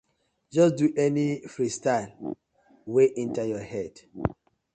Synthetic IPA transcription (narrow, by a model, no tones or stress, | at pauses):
d͡ʒɔsduʔɛnifɹistal | weʔĩntajɔhɛd